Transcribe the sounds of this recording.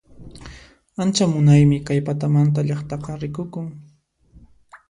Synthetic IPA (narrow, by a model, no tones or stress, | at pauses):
ant͡ʃamʊnajmɪkajpat̪amant̪̬aʎɑχt̪ɑqɑɾɪkʊkʊŋ